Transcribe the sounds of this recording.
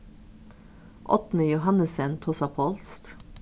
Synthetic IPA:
ʔɔ̰t̪n̩əjʊɦɑnəsɛnt̪ʰɔsɑpʰoːlst̪

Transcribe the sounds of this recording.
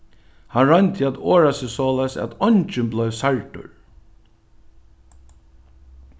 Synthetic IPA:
hanɹant̪ʰɪæt̪oːɹasɪsɔːlaɪsæ̰t̪ɔnt͡ʃɪnblœɥvsaɹʈʊ̰ɹ

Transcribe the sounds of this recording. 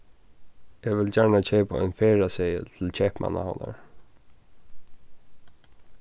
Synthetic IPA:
ɛʋɪlt͡ɕaɹɳat͡ɕʰɛːpʊɔʏnfɛːɹasɛjə̰t̪ʰɪlt͡ɕʰɛːpma̰na̰ha̰wna̰ɹ

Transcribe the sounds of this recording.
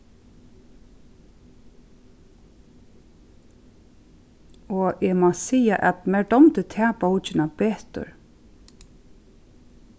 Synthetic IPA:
ɔɛmasiːaʔɛ̰t̪mɛɖɔmt̪ət̪ʰɛːpɔwt͡ʃɪnapeːt̪ʊ̰ɹ

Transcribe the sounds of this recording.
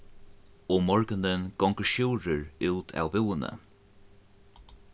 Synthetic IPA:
ɔmɔɹɡənənɡ̥ɔŋkəɹʃuːɹəɹuːt̪ʰa̰wbɪwənə̰

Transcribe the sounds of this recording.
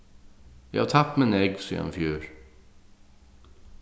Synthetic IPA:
jɛhɑt̪ʰɑp̪̚mɪneɡsḭːɑ̰nfjʉːɾ

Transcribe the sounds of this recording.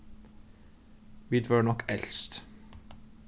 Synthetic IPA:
ʋid̪ʋɑnɔkːɛlst̪

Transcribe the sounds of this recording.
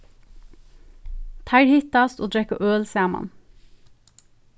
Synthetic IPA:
t̪ʰɑɪɾhɪt̪ɑst̪oːd̪ɹɛkəʔøːlsæːmɑ̰n

